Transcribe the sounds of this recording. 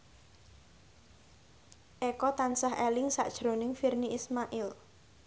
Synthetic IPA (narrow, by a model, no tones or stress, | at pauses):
ʔɛkɔt̪ansaɦelɪŋsa̰ʔd̥ʒ̥ɾonɪŋfirniismaʔɪl